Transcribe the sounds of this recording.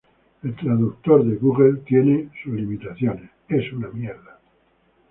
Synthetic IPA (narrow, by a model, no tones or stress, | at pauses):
e̞lt̪ɾaðuk̚t̪oɾðeɣuɣelt̪jenesuzlimit̪aθjonesesunamjeɾða